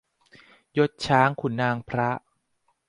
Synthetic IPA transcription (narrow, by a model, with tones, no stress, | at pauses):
jo˦˥t̪̚t͡ɕʰaː˦˥ŋkʰu˨˩˦nːaː˧ŋpʰɾa˦˥ʔ